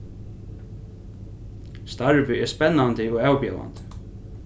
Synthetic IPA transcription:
st̪aɹvʏɛɹspɛnːant̪ɪɔɣawpjɛ̰la̰nt̪

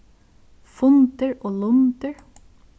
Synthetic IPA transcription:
fʊnt̪əɹoːlʊnt̪əɹ

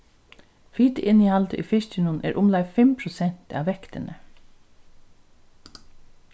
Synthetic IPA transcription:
fiːt̪əʔɪnihalt̪əʔifɪʂt͡ʃɪnʊnʔɛ̰ːɾʔʊmlajfɪmpʰɾʊsɛn̥t̪a̰ʋːɛkt̪ɪnʔə̰

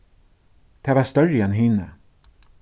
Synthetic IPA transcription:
t̪ʰɛːvast̪œɾəɛnɦɪnə̰

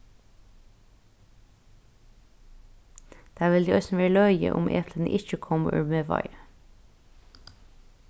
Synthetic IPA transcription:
d̪̥æːʋɪld̪iːʔœsn̩ʋeːɭœʏə̰ʔʊ̰mʔḛːpʰlənə̰ʔɪçəkʰɔmə̰ʔʉ̰ːɾmeːʋɑ̰ɪ

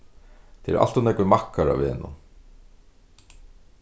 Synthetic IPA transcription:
t̪ʰɛɾ̰ɾa̰l̥t̪ʊnɛkvɪmahkaɾa̰veːnʊ̰n

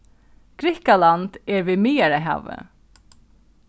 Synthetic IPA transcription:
ɡ̥ɾɪhkalant̪ɛɹvimiːjaɾaɦa̰və̰

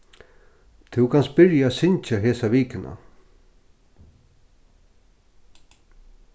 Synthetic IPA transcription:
t̪ʰɪwkʰans̚b̥ɪɾjaːsɪnt͡ʃaɦɛːsaʋiːkɪnʔa̰

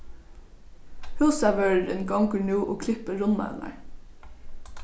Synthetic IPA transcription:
hʉːsaʋœːɹɾɪnɡɔŋkəɹnʉːʔoːkʰlɪpəɹʊnma̰na̰ɹ

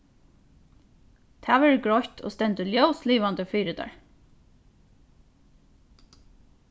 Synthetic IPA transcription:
t̪ʰæːʋɛːɹɡɹɔçt̪ʰo̰ːst̪ɛnt̪əljœwsliːʋand̪əfyːɾɪd̪a̰ɹ

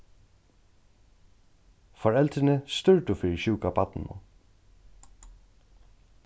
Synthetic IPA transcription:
fɔɹɛlt̪ɾɪnəst̪ʏɹt̪ʊfɪːɾɪɕuːkapat̪nɪ̰nʊ̰

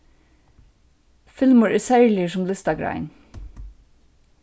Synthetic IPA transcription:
fɪlməɹʔɪsæɪliəsɔmlɪst̪ɑɡɹɑ̰ɪn

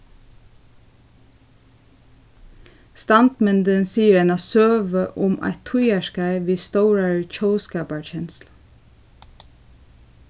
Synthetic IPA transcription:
st̪ɑnd̪mɛnd̪ənsiːəɾenɑsøːʋəʔʊmʔɑ̰ɪt̪ʰʊjæʃkæɪʋiːst̪oʊɹəɹc͡çoːskɑːpəɹçɛnsl

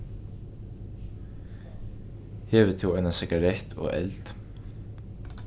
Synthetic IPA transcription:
hɛːvɪt̪ʰɪwajnasɪkaɾɛht̪ʰɔ̰ɣɛ̰lt̪

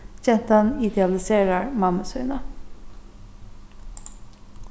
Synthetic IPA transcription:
çɛnt̪ɑnɪd̪ɛɑlɪseːɾəɹmɑməsœːnə

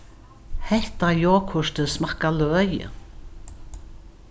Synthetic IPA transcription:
hɛht̪ajɔːkʰʊʂt̪əsmakalœœjə̰

